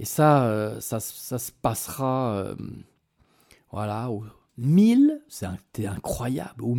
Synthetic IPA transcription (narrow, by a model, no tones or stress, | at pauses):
esaøsasə̥sasə̥pasʁaø̰ | vwa̰lau | milsɛɛ̃t̪ʰɛɛ̃kχwaja̰blu